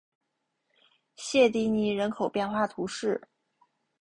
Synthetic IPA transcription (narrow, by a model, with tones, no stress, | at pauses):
ɕjɛ˥˧t̪i˧˥ni˧˥ɻə˧˥nkʰo˨˩ʊpjɛ˥˧nxwa˥˩t̪ʰu˧˥ʂɻ̩˥˩